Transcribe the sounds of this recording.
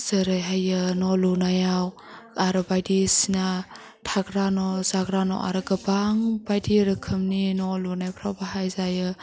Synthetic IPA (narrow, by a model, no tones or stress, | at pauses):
zəɾajɦajɯnɔlunajaw | aɾɯbajdisina | tʰaɡɾanɔzaɡɾanɔ̰ʔa̰ɾɯɡəbaŋbajdiɾɯkʰɯmninɔlunajpʰɾawbaɦajzajɯ